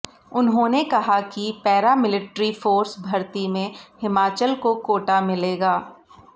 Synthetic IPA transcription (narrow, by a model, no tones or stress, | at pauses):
ʊnɦõːnekɐɦakipɛːɾamɪlɪʈɾifoːɾsbʱɐɾt̪imẽhɪmaːt͡ʃəlkokoːʈamɪleːɡaː